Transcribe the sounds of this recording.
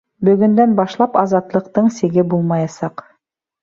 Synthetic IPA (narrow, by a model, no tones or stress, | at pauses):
bɵ̆ɡɵ̆nd̪ænbɑʃlˠɑpɑzɑt̪lˠɤ̆qt̪ɤɴsɘ̆ɡɘbulˠmɑjɑsɑq